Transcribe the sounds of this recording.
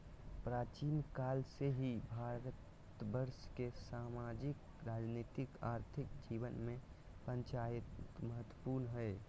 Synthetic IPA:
pɾaːt͡ʃiːnkaːlseɦibʱaːɾət̪bəɾskesaːmaːd͡ʒɪk | ɾaːd͡ʒniːt̪ɪkaːɾt̪ʰɪkd͡ʒiːʋənmẽ | pə̃ɲt͡ʃaːɪt̪məɦət̪ːwəpuɾnɦɛe

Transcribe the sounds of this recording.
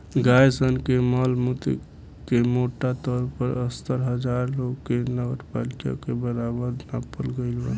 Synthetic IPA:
ɡajsənkeməlmut̪ḭ | kemoʈat̪ɔɾpəɾəst̪əɾɦəd͡ʒaɾloɡkːenəɡəɾpalika̰kebəɾabəɾnapəlɡəɪlbə̰

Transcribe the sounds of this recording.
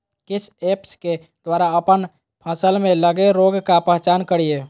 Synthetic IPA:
kɪt͡ʃʰepske | d̪̥waɾaəpən | pʰə̃səlmẽləɡeɾoɡkapəɦt͡ʃankəɽije

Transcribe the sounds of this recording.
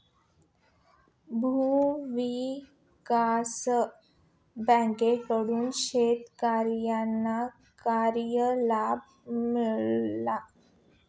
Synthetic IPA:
bʱuʋi | kas | bɛ̃ŋkekəɽuːnɕet̪kaɾjanːa | kaɾjəlab̚ | miɭːa

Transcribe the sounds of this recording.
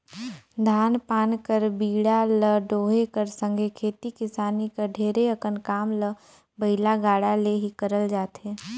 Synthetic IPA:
d̪ʱaːnpaːnkəɾbiːɽaləɖoːɦekəɾsə̃ŋɡʱekʰeːt̪ikɪsaːnikəɖʱeːɾeəkənkaːmlə | bɐɪlaɡaːɽaleɦikəɾəld͡ʒaːt̪ɦeː

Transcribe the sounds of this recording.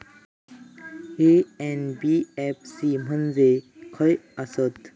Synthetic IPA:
eɛnbiɛp̚ʰsim̤ənd͡zekʰəjasət̪

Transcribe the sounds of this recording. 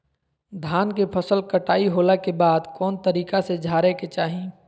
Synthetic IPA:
d̪ʱaːnkepʰəsəlkəʈaːiɦoːlakebaːd̪kɔːnt̪əɾiːkased͡ʒʱaːɾeket͡ʃaːɦĩ

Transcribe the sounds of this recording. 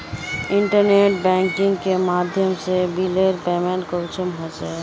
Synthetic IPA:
ɪ̃ɳʈəɾneːʈ̚bɛ̃ŋkɪ̃ŋɡkemaːd̪ʱjəmsebileɾpeːmẽɳkot͡ʃəmɦot͡ʃɛ

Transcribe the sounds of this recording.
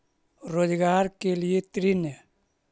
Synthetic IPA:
ɾodiɡaaɾkeljetɾine

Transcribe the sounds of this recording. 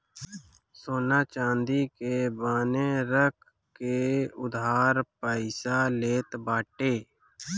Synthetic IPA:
soːnaːt͡ʃãːnd̪iːkeːbaːneːɾəkʰ | keːʊd̪ɦaːɾpəɪsaːleːt̪baːʈeː

